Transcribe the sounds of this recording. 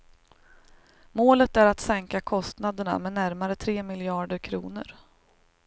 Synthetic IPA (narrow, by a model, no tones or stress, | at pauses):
moːlət̪æɾat̪sɛŋkakʰɔst̪nad̪əɳa̰mɛnæɾmaɾət̪ʰɾeːmɪljɑːɖəɾkʰɾṵːnə̰ɾ